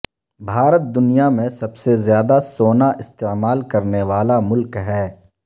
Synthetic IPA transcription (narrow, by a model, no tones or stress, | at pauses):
bʱaːɾət̪̚d̪ʊnijamẽsɐbsezjaːd̪asoːnaʔɪst̪eːmaːlkɐɾneʋaːlamʊlkɦɛː